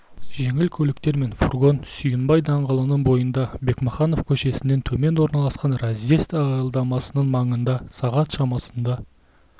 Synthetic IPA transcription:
ʒe̞ŋɪlkʲʰɵlɪkt̪e̞ɾme̞nfurɡo̞nsʏjənbɑjd̪ɑɴʁəlˠənəɴbo̞jənd̪ɑbe̞kməχɑno̞fkʲʰɵʃe̞sɪne̞nt̪ʰɵme̞nwo̞ɾnɑlˠɑsqɑnrɑzest̪əɑjlˠd̪ɑmɑsənəɴmɑɴənd̪ɑsɑʁɑt̪ʃɑmɑsənd̪ɑ

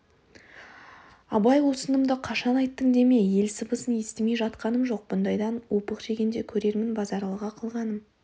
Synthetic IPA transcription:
ɑbɑjwo̞sənəmd̪əqʰɑʃɑnɑjt̪ːəŋd̪e̞me̞je̞lsəbəsənje̞st̪ɪme̞jʒɑt̪qɑnəmʒo̞q̚bʊnd̪ɑjd̪ɑnwo̞pəqʒe̞ɡʲend̪e̞kʲʰɵɾe̞ɾmɪnbɑzɑɾlˠəʁɑqʰəlˠʁɑnəm

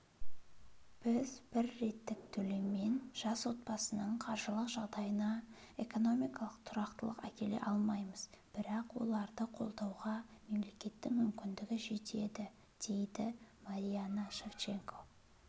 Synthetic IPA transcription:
b̥ɪzb̥ɪɾːe̞t̪ːɪk̚t̪ʰɵleme̞nʒ̥ɑswo̞t̪̚pɑsənəɴqʰɑɾʒəlˠəqʒɑʁd̪ɑjənɑ | e̞ko̞no̞mijkɑlˠəqt̪ʰʊɾɑqt̪əlˠəqækʲe̞le̞̰ʔɑlˠmɑjməz̥b̥ɪɾɑqwo̰lˠɑɾd̪əqʰo̞̰lˠd̪ɑwʁɑme̞mle̞kʲe̞t̪ːɪŋmʏmkʲɪnd̪ɪɡʲɪʒe̞t̪ʰe̞d̪ɪ | d̪̥e̞jd̪ɪmaɾijanaʃe̞ft͡ʃe̞ŋkʰo̞

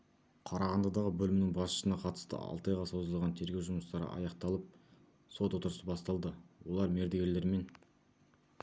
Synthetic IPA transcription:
qʰɑɾɑʁɑnd̪ɑd̪ɑʁəbɵlɪmɪnɪŋbɑsʃəsənɑqʰɑt̪ə̥st̪ə̰ɑ̰lˠt̪ɑjʁɑso̞zəlˠʁɑnt̪ʰe̞ɾɡʲe̞wʒʊməst̪ɑɾə̰ʔɑ̰jɑqt̪ɑlˠəp̚ | so̞t̪wot̪əɾəsəbɑst̪ɑlˠd̪əwo̞lˠɑɾme̞ɾd̪eɡʲele̞ɾme̞n

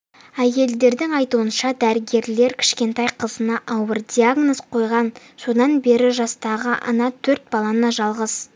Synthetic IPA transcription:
æje̞ld̪e̞ɾd̪ɪŋɑjt̪uənʃɑd̪æɾɪɡʲe̞ɾle̞ɾkʲʰɪ̥ʃkʲe̞nt̪ɑjqʰəzənɑʔɑwəɾd̪ʲiaɡnosqʰo̞jʁɑn | so̞d̪ɑnbe̞ɾɪʒɑst̪ɑʁəʔɑ̰nɑt̪ʰɵɾt̪̚bɑlˠɑnɑʒɑlˠʁəz

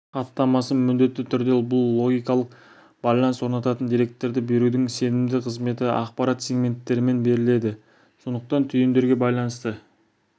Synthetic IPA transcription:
qʰɑt̪ːɑmɑsəmʏnd̪e̞t̪ːɪt̪ʰʏɾd̪e̞bʊlˠlːˠo̞ɡʲijkɑlˠəq | b̥ɑjlˠɑnswo̞ɾnɑt̪ɑt̪ənd̪iɾe̞k̚t̪ːe̞ɾd̪ɪbe̞ɾud̪ɪŋse̞nɪmd̪ɪqʰəzme̞t̪ɪɑ̰qpɑɾat̪sʲeɡmʲe̞nt̪ːe̞ɾɪme̞nbe̞ɾɪle̞d̪ɪ | so̞nd̪əq̚t̪ɑnt̪ʰʏjend̪e̞ɾɡʲebɑjlˠɑnəst̪ə

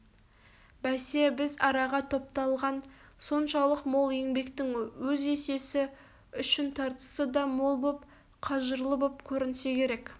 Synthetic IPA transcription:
bæse̞bɪzɑɾɑʁɑt̪ʰo̞p̚t̪ɑlˠʁɑnso̞nʃɑlˠəqmo̞lˠje̞ŋbe̞kt̪ɪŋwɵze̞se̞sɪ | ʏʃɪnt̪ʰɑɾt̪ə̥səd̪ɑmo̞lˠbo̞p | qʰɑʒəɾlˠəbo̞pkʲʰɵɾɪnɪse̞kʲʰe̞ɾe̞k

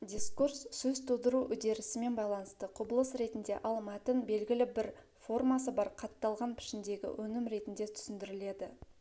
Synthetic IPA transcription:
d̪ʲiskursːɵzt̪ʰud̪əɾuʔʏd̪e̞ɾɪsɪme̞nbɑjlˠɑnəst̪əqʰʊbəlˠəsɾe̞t̪ɪnd̪e̞̰ʔɑlˠmɑt̪ənbe̞lɡʲɪlɪbɪɾ | fo̞rmɑsəbɑɾqʰɑt̪ːɑlˠʁɑnpʰɪ̥ʃɪnd̪e̞ɡʲɪ̰wʔɵnɪmɾe̞t̪ɪnd̪e̞t̪ʰʏ̥sɪnd̪ɪɾɪle̞d̪ɪ

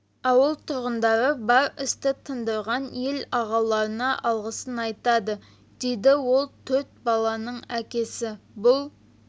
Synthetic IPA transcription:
ɑwəlˠt̪ʰʊɾʁənd̪ɑɾəbɑɾɪst̪ɪt̪ʰənd̪əɾʁɑnjelɑʁɑlˠɑɾənɑʔɑlˠʁəsənɑjt̪ɑd̪ə | d̪̥ejd̪ɪwo̞lˠt̪ʰɵɾt̪̚bɑlˠɑnəɴækʲe̞sɪbʊlˠ

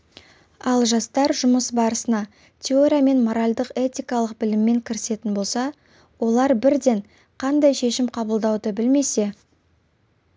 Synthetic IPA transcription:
ɑlˠʒɑst̪ɑɾʒʊməsbɑɾəsənɑ | t̪ʲʰeoɾʲijame̞nmo̞ɾalʲd̪əqe̞t̪ʲijkɑlˠəq̚bɪlɪmːe̞ŋkʲʰɪɾɪse̞t̪ɪnbo̞lˠsɑ | wo̞lˠɑɾbɪɾd̪e̞ɴ | qʰɑnd̪ɑjʃe̞ʃɪmqʰɑbəlˠd̪ɑwd̪əbɪlme̞se̞

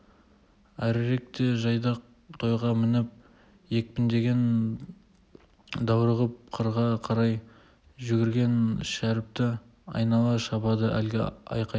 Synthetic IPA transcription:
æɾɾe̞k̚t̪e̞ʒɑjd̪ɑq̚ | t̪ʰo̞jʁɑmɪnɪp̚ | je̞k̚pɪnd̪e̞ɡʲe̞n | d̪ɑwɾəʁəp̚qʰəɾʁɑqʰɑɾɑj | ʒʏɡʲɪɾɡʲe̞nʃæɾɪp̚t̪ɪ | ɑ̰jnɑlˠɑʃɑbɑd̪əʔæ̰lɡʲɪ̰ɑ̰jqɑj

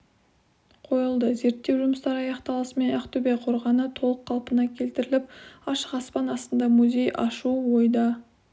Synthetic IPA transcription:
qʰo̞jəlˠd̪əze̞ɾt̪ːe̞wʒʊməst̪ɑɾɑjɑqt̪ɑlˠəsmenæqt̪ʰɵbeqʰo̞ɾʁɑnət̪ʰo̞lˠəqʰːɑlˠpənɑkʲʰe̞lt̪ɪɾɪlɪp̚ɑʃəqɑspɑnɑst̪ənd̪ɑmuzʲe̞jɑ̰ʃuwo̞jd̪ɑ

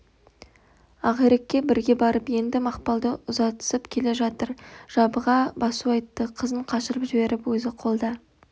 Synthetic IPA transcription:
ɑʁeɾekʲːe̞bɪɾɡʲe̞bɑɾəpje̞nd̪ɪmɑqpɑlˠd̪əʊzɑt̪ə̥səpkʲʰe̞le̞ʒɑt̪əɾʒ̥ɑbəʁɑbɑsuɑjt̪ːəqʰəzəɴqʰɑʃəɾəpʒɪbe̞ɾɪpwɵzɪqʰo̞lˠd̪ɑ

